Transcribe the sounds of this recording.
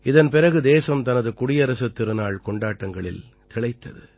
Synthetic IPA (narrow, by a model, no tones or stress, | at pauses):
ɪðɐnpɪɾɐɣɯd̪eːsɐmt̪ɐnɐðɯkʊɽɪjɐɾɐsɐt̪ːɪɾɯnaːɭkɔɳɖaːʈːɐŋɡɐɭɪ̰l | t̪ɪɭɐɪt̪ːɐ̰ðɯ